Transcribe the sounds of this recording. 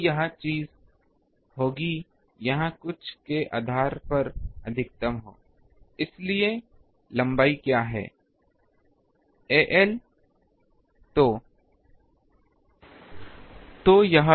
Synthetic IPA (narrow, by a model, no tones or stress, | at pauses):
jɐɦãt͡ʃiːz | hoːɡi | jɐɦãkʊt͡ʃʰkeʔa̰ːd̪ʱaːɾpɐɾɐd̪ʱɪk̚t̪əmɦoː | ɪslie | lɐ̃mbaːikjaːɦɛ̰ː | eːʔɛl | t̪o | t̪oːjɐɦã